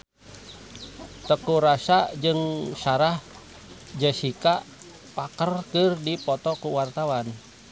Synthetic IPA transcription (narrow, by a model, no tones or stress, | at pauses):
t̪əkuɾasad͡ʒɨŋsaɾah | d͡ʒəsikaʔ | pakərkɨrdipɔt̪ɔkuwart̪awan